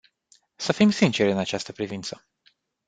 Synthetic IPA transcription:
səfimsint͡ʃeɾʲɨnat͡ʃast̪əpɾivint̪sə

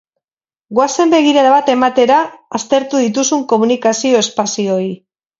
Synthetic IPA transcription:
ɡoase̞mbe̞ɣ̞iɾaɾaβat̪e̞mat̪e̞ɾaːst̪e̞ɾt̪uðit̪̬usuŋko̞munikasio̞e̞spasio̞i

